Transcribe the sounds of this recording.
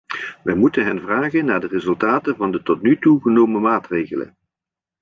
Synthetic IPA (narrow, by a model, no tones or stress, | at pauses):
ʋɛjmutənɦɛnvraːɣənːaːɹdərɪzɵlˠtaːtənvɑndətɔtnytuɣənowməmaːtrejɣələ̰n